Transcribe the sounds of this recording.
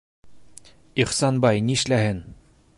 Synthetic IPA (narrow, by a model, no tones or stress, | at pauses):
iχsɑnbɑjniɘ̆ʃlæhɘn